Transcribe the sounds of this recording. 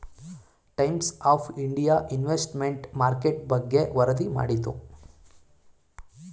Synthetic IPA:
ʈɐjmsaːpʰiɳɖijaːʔinʋesʈmeɳʈmaːɾkeʈ̚bɐɡːeʋɐɾɐd̪ima̰ːɽit̪u

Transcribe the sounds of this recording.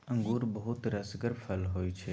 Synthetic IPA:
ə̃ŋɡuːɾbəɦʊt̪ɾɐsɡəɾpʰəlɦoːit͡ʃʰe

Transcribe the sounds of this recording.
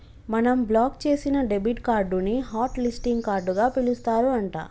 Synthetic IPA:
mɐnɐmblaːkt͡ʃe̞ːsinɐɖe̞biʈkaːɾɖuniɦaːʈlisʈiŋɡkaːɾɖuɡaːpilust̪aːɾuɐɳʈa̰ː

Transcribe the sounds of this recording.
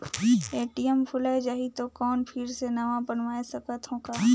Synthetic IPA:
eːʈijəmpʰʊlad͡ʒaːɦit̪okɔːnpʰɪɾsenɐʋãbənʋaːesɐkət̪ɦõːkaː

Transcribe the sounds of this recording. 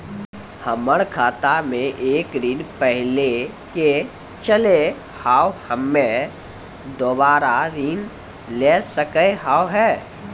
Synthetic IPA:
həməɽ̃kʰaːt̪amẽʔeːkɾinpɛɦɪle | ke | t͡ʃəle | haːwhəmːẽ | d̪obaːɾaɾiːn | leːsəkəɦaːwɦɛː

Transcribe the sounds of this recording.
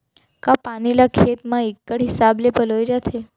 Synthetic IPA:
kapanilakʰet̪mãekːəɽɦisablepəlojd͡ʒat̪ʰe

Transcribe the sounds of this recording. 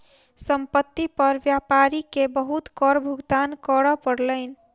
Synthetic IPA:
səmpət̪ːipəɾʋjapaɾikebəɦut̪kɔɾbʱuɡd̪ankəɾɔpəɽləɪn̆

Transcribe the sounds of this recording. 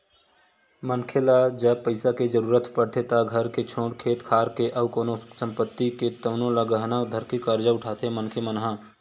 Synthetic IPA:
mənkʰelad͡ʒəpəɪsaked͡ʒəɾuːɾət̪pəɽt̪ʰet̪aɡʱəɾket͡ʃʰõːɽkʰeːt̪kʰaːɾkeʔəbkonosə̃mpət̪ːiket̪əːnoləɡəɦnad̪ʱəɾkikəɾd͡ʒaʊʈʰaːt̪ʰemənkʰemənɦã

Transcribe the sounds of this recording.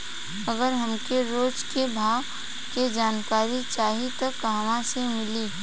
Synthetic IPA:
ɐɡəɾɦɐmkeɾoːd͡ʒkebʱaːɡ | ked͡ʒaːnkaːɾit͡ʃaːɦit̪ɐkɦɐʋãsemɪliː

